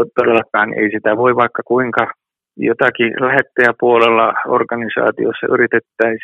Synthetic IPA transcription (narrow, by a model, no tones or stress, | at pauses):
t̪odelːɑkːˑɑːn̰ʔḛisit̪æʋoiʋɑikːɑkuiŋkɑ | jot̪ɑkilæhet̪ːæjæpuolelːɑo̰rkɑnisɑ̰ːt̪ḭo̰sːɑ̰ʔyrit̪et̪ːæi